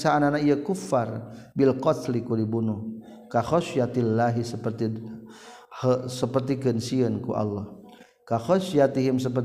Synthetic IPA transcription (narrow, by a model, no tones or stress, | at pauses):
saːnanaijəkufːarbilqɔt̪likulibunuh | kaxɔʃjat̪ilːaɦisəpərt̪i | həsəpərt̪ikənsiənkṵʔa̰lːɔh | kaxɔʃjat̪iɦimsəp̬ər